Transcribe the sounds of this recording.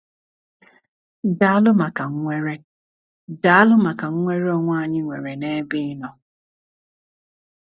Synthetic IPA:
da˦a˦lʊ˦ma˨ka˨ŋ̩˦ŋʷe˦ɾe˦ | da˨a˦lʊ˦ma˨ka˨ŋ̩˦ŋʷe˦ɾe˦ɔ˦ŋʷ˦a˦˨ɲɪ˦ŋʷḛ˨ɾe˨ne˦bɪ˦nɔ˨

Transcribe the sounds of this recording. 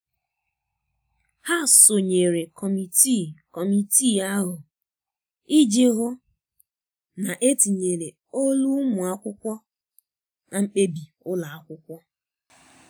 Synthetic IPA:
ha˦˨so˨ɲe˨ɾe˨kʰɔ˨mi˨ti˦˨kɔ˨mi˨ti˦˨a˦ɦʊ˨ | i˦d͡ʒe˦ɦʊ˦ | na˨ʔe˦ti˨ɲe˨ɾe˨ | o˦lu˦mʊ˨a˦kʷʊ˦kʷɔ˦ | na˨ŋ͡m̩˦k͡pe˦bi˨ | ʊ˦la˨a˦kʷʊ˦kʷɔ˦

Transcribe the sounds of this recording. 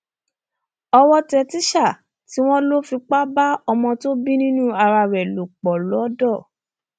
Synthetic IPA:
ɔ˧wɔ˦tɛ˧ti˦ʃa˦˨ | ti˨˦w̃ɔ̃˦lo˦fi˧k͡pa˦ba˦ɔ˧mɔ̃˧to˦bi˦nĩ˦nũ˦a˧ɾa˧ɾɛ˨lo˨k͡pɔ˨lɔ˨˦dɔ˦˨

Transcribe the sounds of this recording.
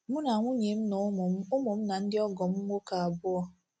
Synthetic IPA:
mʊ˦na˨a˨ŋʷʊ˦ɲe˨m̩˦nɔ˨˦mʊ˨m̩˦ʊ˦mʊ˨m̩˦na˨n̩˦dɪ˦ɔ˦ɡɔ˨m̩˦ŋʷ˦o˦ka˨a˨bʊ˦ɔ˦

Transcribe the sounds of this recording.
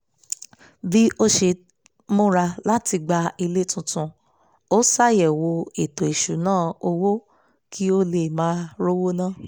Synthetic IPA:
bi˦o˦ʃe˧ | mũ˦ɾa˧la˦ti˧ɡ͡ba˧i˧le˦tũ˧tũ˧ | o˦sa˦jɛ˨wo˧e˨to˨i˨ʃu˨nãː˦˨o˧wo˦ | kʰi˦o˧le˨mãː˨˦ɾo˦wo˦nã˦˨

